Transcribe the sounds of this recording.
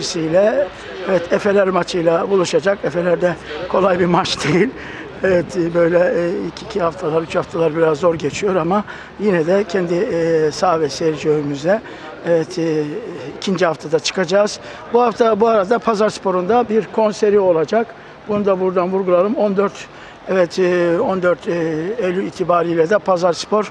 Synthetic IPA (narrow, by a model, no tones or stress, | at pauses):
isijlʲɛ | ɛvɛt̪ʰefe̞lʲæɾmat͡ʃʰɯjlˠabulˠuʃad͡ʒakefe̞lʲæɾd̪ɛkʰo̞lˠajbiɾmat͡ʃd̪ejilʲ | ɛvɛt̪ʰbø̞jlʲɛicʰicʰihaft̪ʰalˠaɾyt͡ʃhaft̪ʰalˠaɾbiɾazːo̞ɾɟe̞t͡ʃʰijo̞ɾama | jinɛd̪ɛcʰɛnd̪isaːvɛseɾd͡ʒøɾymyzd̪ɛ | ɛvɛt̪ʰː | icʰind͡ʒihaft̪ʰad̪at͡ʃʰɯ̥kad͡ʒaːz̥ | buhaft̪ʰabuaɾad̪apʰazaɾspʰo̞ɾund̪abiɾkʰo̞nse̞ɾio̞lˠad͡ʒak | bunud̪abuɾd̪anvuɾɡulˠalˠɯmo̞nd̪øɾt̪ | ɛvɛt̪ʰːo̞nd̪øɾt̪ʰːelʲyiːt̪ʰibaːɾiːlʲɛd̪ɛpʰazaɾspʰo̞ɾ̥